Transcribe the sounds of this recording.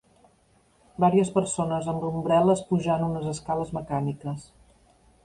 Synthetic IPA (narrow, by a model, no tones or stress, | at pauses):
baɾiəspəɾsonəzəmrumbɾɛləspuʒanunəzəskaləzməkanikəs